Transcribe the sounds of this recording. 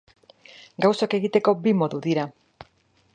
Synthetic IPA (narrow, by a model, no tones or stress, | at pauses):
ɡawsake̞ɣit̪e̞ko̞bimo̞ðuðiɾa